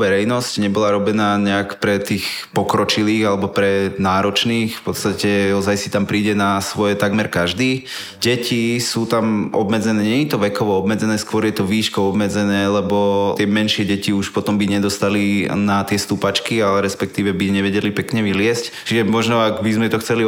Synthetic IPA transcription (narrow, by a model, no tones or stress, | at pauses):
ʋɛɾɛjnɔscɲɛbɔlaɾɔbɛnaːɲɛakpɾɛt̪iːxpɔkɾɔt͡ʃiliːɣalɛbɔpɾɛnaːɾɔt͡ʃniːxfpɔt̪st̪acɛɔzajsi̥t̪ampɾiːɟɛnasʋɔjɛt̪aɡmɛɾkaʒd̪iː | ɟɛcisuːt̪amʔɔ̰bmɛd͡zɛnɛːɲɛɲɛt̪ɔʋɛkɔʋɔɔbmɛd͡zɛnɛːskʊɔɾjɛt̪ɔʋiːʃkɔʊɔbmɛd͡zɛnɛːlɛbɔt̪ɪɛmɛnʃɪɛɟɛciuʃpɔt̪ɔmbiɲɛd̪ɔst̪alinat̪ɪɛst̪upat͡ʃkialɛɾɛspɛkt̪iːʋɛbiɲɛʋɛɟɛlipɛkɲɛʋilɪɛsct͡ʃiʒɛmɔʒnɔaɡbizmɛt̪ɔxt͡sɛli